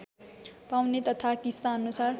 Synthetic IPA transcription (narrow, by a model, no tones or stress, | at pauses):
pawnet̪ʌt̪ʰakist̪aʌnusar